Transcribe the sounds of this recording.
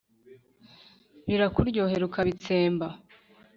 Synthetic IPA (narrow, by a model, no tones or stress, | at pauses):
βiɾakuɾɟo̞ːɦeɾukʰaβit͡se̞ːmba